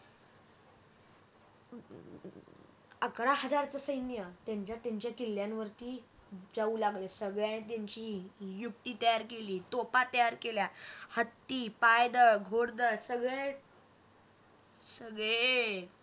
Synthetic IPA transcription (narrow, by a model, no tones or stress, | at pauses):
əkɾaɦəd͡zaɾt͡səsəjnjət̪jaɲt͡ɕjat̪jaɲt͡ɕjakilːjãnʋəɾt̪iːd͡zauːlaɡlesəɡɭjaɽ̃it̪̬jaɲt͡ɕiːjuk̚t̪iːt̪əjaɾkeliːt̪opat̪əjaɾkeljahət̪ːiːpajd̪əɡʱoɽd̪əsəɡɭe | səɡɭe